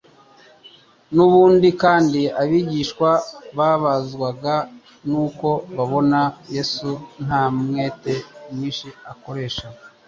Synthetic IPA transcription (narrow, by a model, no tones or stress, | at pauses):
nuβuːndikaːndiaβiːɟiːʃkwaβaβazɡwaɡa | nuːko̞βaβo̞naje̞sun̥haːmŋe̞ːte̞mŋiːnʃiako̞ɾe̞ːʃamo